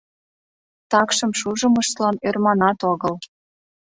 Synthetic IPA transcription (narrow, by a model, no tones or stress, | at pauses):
t̪ɑkʃəmʃuʒəməʃt̪lɑnermɑnɑt̪oɣəl